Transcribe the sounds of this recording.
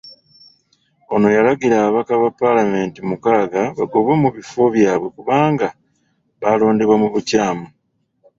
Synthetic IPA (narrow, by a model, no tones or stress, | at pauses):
o̞no̞jalaɡiɾaːβakaβapːalame̞ːntimukaɡaβaɡo̞βemuβifo̞βjaːβwe̞kuβaːŋɡa | βalo̞ːnde̞βwamuβucaːmu